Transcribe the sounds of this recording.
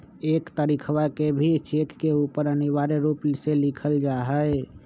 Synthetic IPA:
ekt̪əɾikʰwakebʱit͡ʃekkeupəɾəniʋaɾeɾuplselikʰəld͡ʒaɦəj

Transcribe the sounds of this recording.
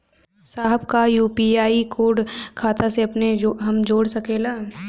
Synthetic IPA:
saːɦəbkajuːpiaːikoːɖkʰaːt̪aseɐpneɦɐmd͡ʒoːɽsɐkeːlaː

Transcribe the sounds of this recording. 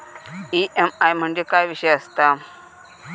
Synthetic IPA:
iʔemajm̤əɳd͡ʑekajʋiɕəjəst̪a

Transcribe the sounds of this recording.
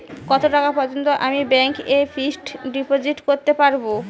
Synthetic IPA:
kɔt̪oʈakapɔɾd͡ʑont̪oʔamibɛŋkefʰisʈɖipod͡ʑiʈkoɾt̪epaɾbo

